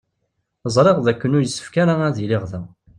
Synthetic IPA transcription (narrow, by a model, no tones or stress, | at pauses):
zˤɾˤeʁðækːənʊɾəsːə̥fkaɾaæðilɪʁðæ